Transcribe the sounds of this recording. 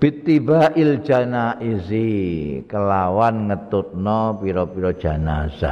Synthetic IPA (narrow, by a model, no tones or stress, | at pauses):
b̥it̪ːibaʔil̥d͡ʒ̥a̤naʔisikəlawanŋət̪ʊt̪̚nɔpiɾɔpiɾɔd̥ʒ̥a̤nasa̰